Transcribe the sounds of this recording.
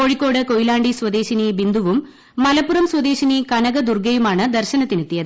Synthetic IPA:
oːɻikʲːo̞ːɽɨkojilaːɳɖiswɐd̪e̞ːɕinibind̪uʋumː | ɐlɐpːurɐmswɐd̪e̞ːɕinikɐnɐɣɐd̪urɡɐjumaːɳɨd̪ɐrɕɐnɐt̪ːinit̪ːijɐðɨ

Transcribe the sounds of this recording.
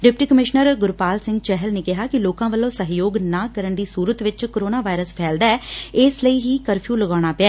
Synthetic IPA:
ɖɪpʈiːkəmɪʃnəɾɡʊɾpaːlsɪ̃ŋɡt͡ʃɛɦəlneːkɪɦaːkɪloːkãːʋəlːõːsəɦjoːɡnaːkəɾəɳd̪iːsuːɾət̪ʋɪt͡ʃkoɾoːnaːʋaːɪɾəspʰɛːld̪aːɛːɪsləiːɦiːkəɾpʰjuːləɡaːɽ̃aːpɪɛː

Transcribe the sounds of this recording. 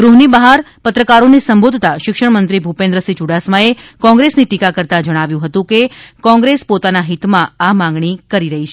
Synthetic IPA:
ɡɾuɦnibəɦaɾ | pət̪ɾəkaɾonisəmbod̪ʱt̪aʃɪkʃəɽmənt̪ɾibʱupẽnd̪ɾəsit͡ʃuɽasmaekɔ̃ŋɡɾesniʈikakəɾt̪ad͡ʒəɽ̃aʋjũɦət̪ũkekɔ̃ŋɡɾespot̪anaɦit̪mãamãŋɡɳikəɾiɾəɦit͡ʃʰe

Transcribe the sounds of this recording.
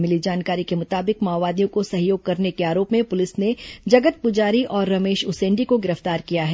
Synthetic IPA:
mɪlid͡ʒaːnkaːɾikemʊt̪aːbɪkmaːʋaːd̪ijõkosɐɦjoːɡ̚kɐɾnekeaːɾoːpmẽpʊlɪsned͡ʒɐɡət̪̚pʊd͡ʒaːɾiʔɔːɾːɐmeːʃʊsẽːɳɖikoɡɪɾəft̪aːɾkijaɦɛː

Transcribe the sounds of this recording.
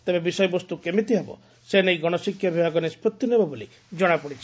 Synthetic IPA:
t̪ebebisɔjɔbɔst̪ukemit̪iɦebɔ̰ | senejɡɔɽ̃ɔsikʰːjɔbʱibʱakɔnispʰɔt̪junebɔboli | d͡ʒɔɽ̃apɔɽit͡ʃʰi

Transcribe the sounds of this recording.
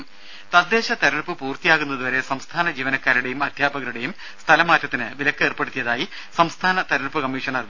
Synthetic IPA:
t̪ɐd̪ːe̞ːɕɐt̪ɐɾɐɳpːɨpuːrt̪ijaːɣunːɐðuʋɐɾe̞sɐmst̪ʰaːnɐd͡ʑiːʋɐnɐkːaːɾuɽe̞jumɐd̪ʱjaːbɐɣɐɾuɽe̞jum | st̪ʰɐlɐmaːtːɐt̪ːinɨʋilɐkːe̞ːrpe̞ɽut̪ːijɐðaːji | sɐmst̪ʰaːnɐt̪ɐɾɐɳpːɨkɐmːiːʂɐɳɐr

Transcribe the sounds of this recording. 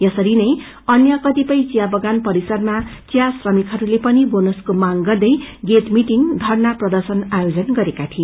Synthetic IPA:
jʌsʌɾinʌj | ʌnjʌkʌt̪ipʌjt͡sijabʌɡanpʌɾisʌrmat͡sjasrʌmikʰɦʌɾulepʌnibonoskomaŋɡʌrd̪ʌjɡet̪miʈiŋd̪ʱʌrnaprʌd̪ʌrsʌnajod͡zʌnɡʌɾekat̪ʰi

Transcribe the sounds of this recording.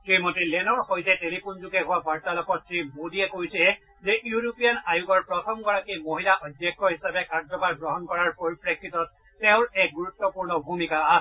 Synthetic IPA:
simɔtilɛnɔɹxojtɛtelipunzuɡɛɦʊwabʱaɹtalɔkɔtsɹimodiɛkojsɛ | zɛʔjuɹopijanajuɡɔɹpɹɔtʰɔmɡɔɹakimoɦilaʔɔdjɛk̚tɔɦisabɛkaɹd͡ʒzɔpaɹɡɹɔɦɔnkɔɹaɹpoɹipɹekʰːitɔt̚ː | eʊ̃ɹɛɡuɹutːɔpuɹnɔbʱumikaa

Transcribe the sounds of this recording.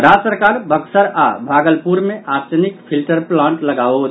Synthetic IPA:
ɾasəɾkaɾbʱəksəɾa̰bʱaɡəlpuɾmeʔaɾt͡ʃənik̚pʰilʈəɾplãɳʈləɡaot̪

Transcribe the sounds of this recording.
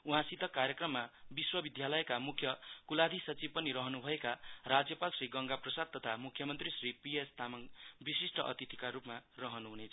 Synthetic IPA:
uɦãsid̪ʱʌkaɾjekrʌmːabiswʌbid̪ʱjalʌjkamukʰjʌkulad̪ʱisʌt͡sib̚pʌniɾʌɦʌnubʱʌekarad͡zjʌpalsriɡʌŋɡaprʌsad̪̚t̪ːʌt̪ʰamukʰːjʌmʌnt̪risripiest̪amanbisisʈʌʔʌ̰t̪it̪ʰi̥kaɾupmarʌɦʌnuɦunet͡sʰ

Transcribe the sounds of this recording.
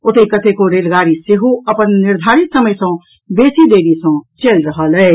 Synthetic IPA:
ot̪ekət̪ekoɾelɡaːɾiseɦoəpənːɪɾd̪ʱaːɾit̪səməjsə̃ | beːsid̪eːɾisə̃t͡ʃelɾəɦəlɛː

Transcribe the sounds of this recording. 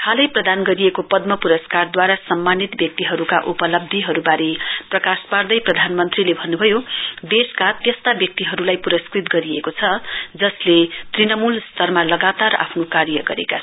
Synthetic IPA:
kʰalʌjprʌd̪anɡʌɾiekopʌd̪̚mʌpuɾʌskard̪waɾasʌmːanit̪bjʌk̚t̪iɦʌɾuka̰ʔupʌlʌb̚d̪ʱjʌɦʌɾubaɾeprʌkaspard̪ʌjprʌd̪ʱanmʌnt̪rilebʱʌnːubʱʌjod̪eskat̪jʌst̪abjʌk̚t̪iɦʌɾulajpuɾʌskrit̪ɡʌɾiekot͡sʰʌd͡zʌslet̪rinʌmulst̪ʰʌrmalʌɡat̪ara̰pʰnokaɾjʌɡʌɾḛka

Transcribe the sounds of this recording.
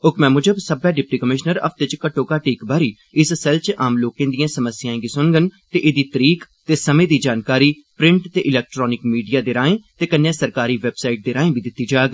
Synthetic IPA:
ʊkmɛ̃ːmʊd͡ʒəbsəbɛːɖɪp̚ʈiːkəmɪʃnəɾə̰pʰt̪et͡ʃkəʈoːkaːʈiːkbaːɾiː | ɪssɛlt͡ʃʔaːmloːkẽːd̪ijãːsəməsɪjãːẽɡiːsʊnɡənt̪eːʔeːd̪iːt̪əɾiːkt̪eːsəmẽːd̪iːd͡ʒaːnkaːɾiː | pɾɪ̃ɳʈt̪eːʔɪlɛːk̚ʈɾɔːnɪkmiːɖijaːd̪eːɾaːẽːt̪eːkənːjãːsəɾkaːɾiːʋeːbsaːɪʈ̚d̪eːɾaːẽːbiːd̪ɪt̪ːiːd͡ʒaːɡ

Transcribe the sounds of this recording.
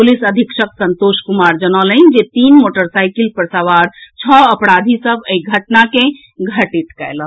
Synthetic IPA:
pulisəd̪ʱikʃəksənt̪oʃkumaɾd͡ʒənələnd͡ʒet̪inmoʈəɾsajkilpɾəsaʋaɾt͡ʃʰɔəpɾad̪ʱisəbʱəiɡʱəʈnakẽ | ɡʱəʈiʈkɛjlə̃

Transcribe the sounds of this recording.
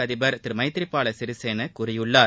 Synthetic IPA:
ɐðɪbɐɾt̪ɪɾmɐɪt̪ːɪɾɪpːaːɭɐsɪɾɪseːnɐkʊɾɪjɯɭːaː

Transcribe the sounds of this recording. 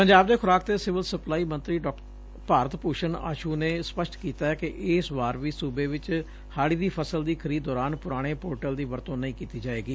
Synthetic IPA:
pəɲd͡ʒaːbd̪eːkʰʊɾaːk̚d̪eːsɪʋəlsəplaːiːmə̃nt̪ɾiːɖɔːk | paːɾət̪puːʃəna̰ːʃuːneːspəʃʈkiːt̪aːɛːkɪʔɪsʋaːɾʋiːsuːbeːʋɪt͡ʃ | haːɽiːd̪iːpʰəsəld̪iːkʰəɾiːd̪ɔːɾaːnpʊɾaːɽ̃eːpoːʈəld̪iːʋəɾt̪õːnəĩːkiːt̪iːd͡ʒaːeːɡiː

